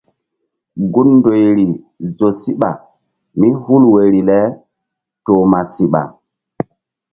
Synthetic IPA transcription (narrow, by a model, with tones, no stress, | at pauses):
ɡu˦nndo˨jɾi˨ | zo˨si˦ɓa̰˨ | mi˦hu˦lwe˨ɾi˨lɛ˦ | to˨ma˨si˦ɓa̰˨